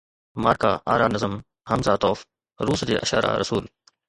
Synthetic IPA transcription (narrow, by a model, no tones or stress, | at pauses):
ma̰ːɾka̰ːʔa̰ːɾaːnɐzəm | hɐmzaːt̪ɔːf | ɾuːsd̪iːʔɐʃa̰ːɾa̰ːɾɐsuːl